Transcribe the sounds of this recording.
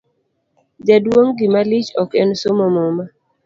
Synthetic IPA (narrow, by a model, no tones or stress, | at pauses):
d͡ʒadwoŋɡɪmalit͡ʃɔkɛnsomɔmɔma